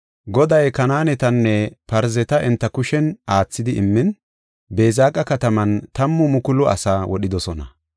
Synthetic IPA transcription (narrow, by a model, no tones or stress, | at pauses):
ɡɔd̪ɐjkɐnaːnɛt̪ɐnːɛpɐɾzɛt̪ɐʔɪnt̪ːɐkʊʃɛnaːt͡sːɪd̪ɪʔɪmːɪn | be̞ːzaːkʼːɐkɐt̪ɐmɐnt̪ɐmːʊmʊkʊlɔɐ̰saːwɔɗɪd̪ɔsɔnɐ̰